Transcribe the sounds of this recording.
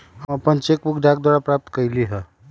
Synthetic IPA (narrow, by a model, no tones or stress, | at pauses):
əpənt͡ʃekbukʰɖak̚d̪waɽapɾap̚t̪kəjliɦə